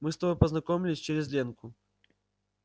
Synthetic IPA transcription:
mɨst̪ɐbopəznɐkomʲɪlʲɪsʲt͡ɕɪɾʲɪzʲlʲenkʊ

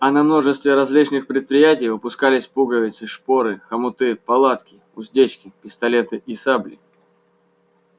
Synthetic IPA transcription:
ɐnɐmno̞ʐɨst̪vʲɪɾɐzʲlʲit͡ɕnɨxpɾʲɪt̪̚pɾʲɪjætʲɪjvɨpʊskalʲɪsʲpuɡəvʲɪt̪sɨʂpoɾɨxɐmʊt̪ɨpɐlˠat̪kʲɪ | ʊzʲdʲet͡ɕkʲɪpʲɪst̪ɐlʲet̪ɨʔisablʲɪ̰

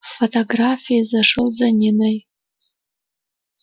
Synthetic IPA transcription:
fotʰoɡrafijazaʂɨlzanʲinaj

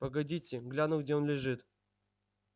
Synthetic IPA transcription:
pəɡɐdʲitʲɪɡlʲanʊɡ̚dʲeo̞nlʲɪʐɨt̪

